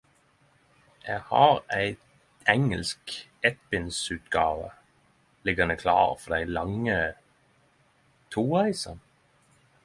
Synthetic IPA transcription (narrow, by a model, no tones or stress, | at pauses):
jæɡhɑ̰ːɾæɪ | ɛŋəlskɛt̪bɪnsʉːt̪ɡɑːʋə̰ | lɪɡɑnəkʰlɑ̰ːʁfɔd̪æɪlɑŋːə | t̪ʰuːʁæɪsɑn